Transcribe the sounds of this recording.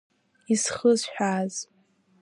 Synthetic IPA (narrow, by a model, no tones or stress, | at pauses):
isχəzħᶣaːz